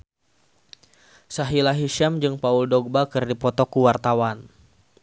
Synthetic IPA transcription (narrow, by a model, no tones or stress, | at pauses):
saɦilaɦiʃamd͡ʒɨŋpauldɔɡ̚bakɨrdipɔt̪ɔkuwart̪awan